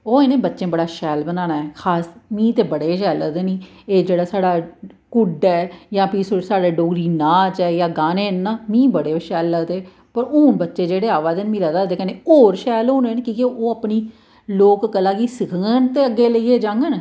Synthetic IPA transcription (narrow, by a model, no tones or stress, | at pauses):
oːenẽːbətːʃẽːbəɽaːʃɛːlbənaːnaːɛːkʰaːsmĩːt̪eːbəɽeːʃɛːlːəɡd̪eːnĩː | eːd͡ʒeːɽaːsaːɽaːkʊɖɛːjãːpiːsosaːɽaːɖoːɡɾiːnãːt͡ʃɛːjaːɡaːneːnːaːmĩːbəɽeːʃɛːlːəɡd̪eː | pəɾoːnbətːʃeːd͡ʒeːɽeːaːʋaːd̪eːnmĩːləd̪aːd̪eːkɛ̃neoːɾʃɛːloːnẽːnkiːkeoːəpɳiː | loːkɡəlaːkiːsɪkʰəŋɡənt̪eːəɡeːləiːeːd͡ʒãːŋɡən